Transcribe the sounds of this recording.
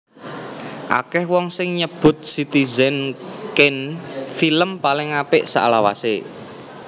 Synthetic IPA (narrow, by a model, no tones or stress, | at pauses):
ʔa̰kɛhwɔŋsɪŋɲəb̥ʊ̤t̪̚sit̪izɛnkɪnfiləmpalɪŋapɪʔsa̰ʔlawa̰se